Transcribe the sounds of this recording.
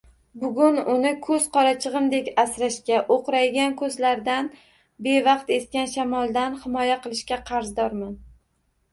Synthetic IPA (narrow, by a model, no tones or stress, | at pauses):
bʊɡʲʊnʊnɪkʰɵz̥qʰɒɾat͡ʃʰɨʁɨmd̪e̞kʲasɾaʃkʲaʔoqɾajɡʲankʰɵzlaɾd̪an | be̞vɑqt̪e̞skʲanʃamɒlˠd̪anhɪmɒjaqɨlˠɪʃkʲaqʰɑɾzd̪ɒɾman